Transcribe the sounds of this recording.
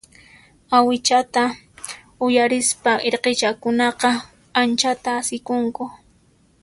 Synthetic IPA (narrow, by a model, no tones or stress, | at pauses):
awɪt͡ʃat̪a | ʊjaɾɪspaeɾqet͡ʃakʊnɑqɑ | ant͡ʃat̪aːsɪkʊŋkʊ